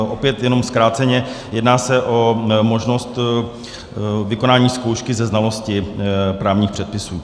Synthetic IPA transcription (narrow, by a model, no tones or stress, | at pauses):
ʔopjɛt̪jɛno̞mskɾaːt̪t͡sɛɲɛjɛdnaːsɛʔo̞mo̞ʒno̞st̪ | vɪko̞naːɲiːskowʃkɪzɛznalo̞scɪpɾaːvɲiːxpr̥ɛt̪̚pɪsuː